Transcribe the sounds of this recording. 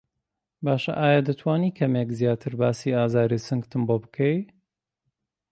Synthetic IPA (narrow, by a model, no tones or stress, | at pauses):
baːʃɐ̰ʔaːjad̪ɐt̪ʰwaːniːkʰɐmekzjaːt̪ʰɨɾbaːsiːaːzaːɾisɨŋɡt̪ʰɨmbobɨkʰɐj